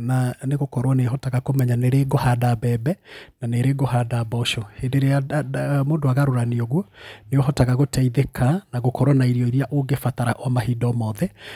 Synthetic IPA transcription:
naneɣokɔɾwaneɦɔtaɣakomɛɲaneɾeɡohadabɛbɛnaneɾeɡohadabɔʃɔhendeɾeamoːndoaɣaɾoɾaniɔɣwɔneoɦɔtaɣaɣotɛiðekʰanaɣokɔɾwanaiɾiɔiɾiaʔoɡefataɾaʔwamahiːdɔmɔðɛ

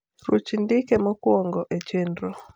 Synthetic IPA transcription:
rot͡ʃindɪkemɔkwɔŋɡɔʔet͡ʃendɾo

